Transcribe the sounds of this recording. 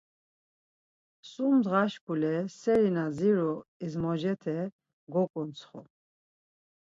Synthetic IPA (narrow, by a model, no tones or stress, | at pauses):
sumd̪ʁaʃkʰulɛsɛɾinaziɾɔizmɔd͡ʒɛt̪ʰɛ | ɡɔkʼɔnt͡sʰχɔ̰